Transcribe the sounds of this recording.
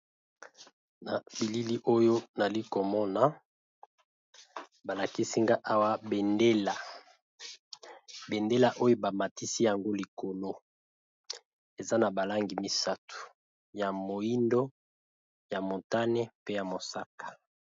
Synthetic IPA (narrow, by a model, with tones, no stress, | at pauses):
na˨bi˨li˦li˦ʔo˦jo˦na˨li˦ko˨mɔ˦na˨ | ba˨la˨ki˦si˦ŋɡa˦ʔa˦wa˦be˨nde˦la˨ | be˨nde˦la˨ʔo˦jo˦ba˨ma˨ti˦si˦ja˨ŋɡo˦li˨ko˨lo˦ | e˨za˦na˨ba˨la˦ŋɡi˨mi˨sa˦tu̥˨ | ja˨mo˨i˦ndo˦ | ja˨mo˨ta˦nɛ˦pe˦ja˨mo˨sa˦kḁ˨